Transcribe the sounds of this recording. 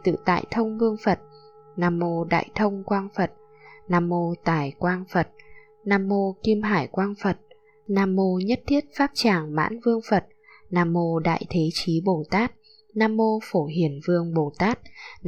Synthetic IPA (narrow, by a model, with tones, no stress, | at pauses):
t̪ɨ̰˧˨t̪a̰ː˧˨jt̪ʰə˧wŋ͡mvɨ˧əŋfə˨˩t̚ | naː˧˩mːo˧ɗa̰ː˧˨jt̪ʰə˧wŋ͡mkwaː˧nfə˨˩t̚ | naː˧mːo˧t̪aː˧˩jkwaː˧nfə˨˩t̚ | naː˧mːo˧ki˧mɦaː˧˩jkwaː˧nfə˨˩t̚ | naː˧mːo˧ɲə˦˥t̚t̪ʰi˦˥ət̚faː˦˥p̚t͡ɕaː˧˩ŋma̰ː˧˥nvɨ˧əŋfə˨˩t̚ | naː˧˩mːo˧ɗa̰ː˧˨jt̪ʰe˨˦t͡ɕi˨˦ɓo˧˩t̪aː˦˥t̚ | naː˧mːo˧fo˧˩ɦi˧˩ənvɨ˧əŋɓo˧˩t̪aː˦˥t̚